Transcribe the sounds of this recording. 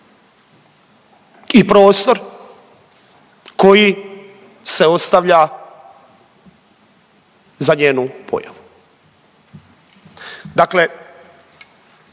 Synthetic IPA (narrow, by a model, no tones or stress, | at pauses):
ipɾo̞ːst̪o̞ɾ | ko̞ji | se̞o̞st̪aʋʎa | zaɲeːnupʰo̰ja̰ʋu | d̪akle̞